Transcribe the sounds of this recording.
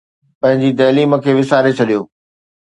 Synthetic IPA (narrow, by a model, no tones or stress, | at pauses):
pɐ̃ɦɪ̃ɲd͡ʑit̪̬ɐːliːmə̆kʰeːʋɪsaːɾet͡ɕʰɐɗijoː